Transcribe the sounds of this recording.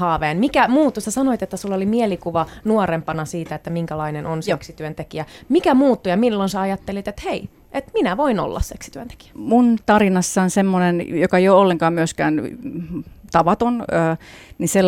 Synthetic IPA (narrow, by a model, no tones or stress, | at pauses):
hɑːʋeːnmikæmuːt̪ːusæsɑnoit̪et̪ːæsulːolimielikuʋɑnuorempɑnɑsiːt̪æet̪ːæmiŋkælɑinenʔonseksit̪yønt̪ekiæmikæmuːt̪ːujɑmilːonseɑjɑt̪ːelit̪et̪hei | ʔet̪minæʋoino̰lːɑ̰sseksi̥t̪yønt̪e̥ki̥æ̥munt̪ɑrinɑsːɑnsemːonenjokɑjoolːeŋkɑːmmyøskæːn | t̪ɑʋɑt̪onøːnisel